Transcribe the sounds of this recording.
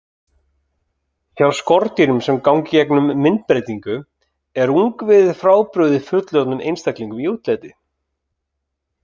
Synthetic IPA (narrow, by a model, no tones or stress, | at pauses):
θjawskɔɾt̪iɾʏmsɛmkawŋcɪcɛknʏmːɪnt̪̚pɾejt̪iŋkʏ | ɛɾuŋkvɪðfɾaːwpɾʏðɪfʏt̪lœt̪nʏmʔḛjnst̪akliŋkʏmiuːt̪lɛːt̪ɪ